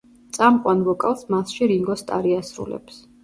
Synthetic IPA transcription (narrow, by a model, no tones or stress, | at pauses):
t̪sʼamqʼwanvɔkʼalsmasʃiɾiŋɡɔst̪ʼa̰ɾiasɾṵlɛ̰ps